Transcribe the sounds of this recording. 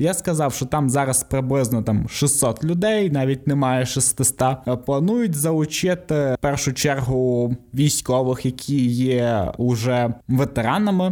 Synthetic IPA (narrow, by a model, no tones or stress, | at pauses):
jaskɐzɑwʃt͡ʃɔt̪ɑmzɑɾɐspɾɪblˠɪznɔt̪ɑmʃɪsːɔt̪lʲʊd̪ɛjnɑʋʲit̚ʲnemɑjɛʃɪst̪ɪst̪ɑplˠɐnujʊtʲzɐʊt͡ʃɪt̪ɪpɛrʃʊt͡ʃɛrɦʊʋʲijsʲkɔʋɪxjɐkʲʰijɛʊʒɛʋet̪eɾɑnɐmɪ